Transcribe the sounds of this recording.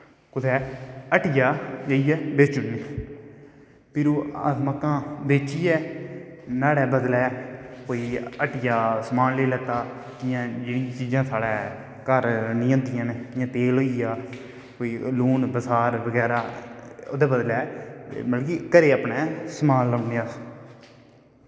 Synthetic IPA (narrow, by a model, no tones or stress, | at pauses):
kʊt̪ʰɛːəʈɪjaːd͡ʒəːijɛːbeːt͡ʃʊʈniː | pʰɪɾuːət̪məkːãːbeːt͡ʃiːɛː | naːɽɛːbəd̪lɛːkoːiːəʈɪjaːsəmaːnleːlɛːt̪aːkɪjãːd͡ʒɪnĩãt͡ʃiːzãːsaːɽɛː | kəɾnɪ̃ːə̃ːd̪ɪjãːneɪjãːt̪eːloːijaː | koːiːluːnbəsaːɾbəɡɛːɾaːo̰ːd̪ɛːbəd̪lɛ̰ːməlkiːkəɾeːəpnɛːsəmaːlːəːneaː